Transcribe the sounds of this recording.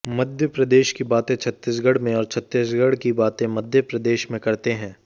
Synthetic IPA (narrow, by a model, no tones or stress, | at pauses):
mɐd̪ʱjəpɾɐd̪eːʃkibaːt̪ẽt͡ʃʰɐt̪ːɪs̬ɡɐɽ̤mẽɔːɾt͡ʃʰɐt̪ːɪsɡəɽkibaːt̪ẽmɐd̪ʱjəpɾɐd̪eːʃmẽkɐɾt̪eɦɛ̃ː